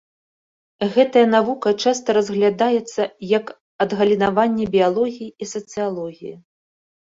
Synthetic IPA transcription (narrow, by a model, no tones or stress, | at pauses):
ɣɛt̪ɐjɐnavukɐt͡ʂast̪ɐɾɐzɣlʲad̪ajɛt̪sːɐjɐk | ɐd̪ɣɐlʲinavanʲːɛbʲijalˠɔɣʲijiisɐt̪sɨjalˠɔɣʲiji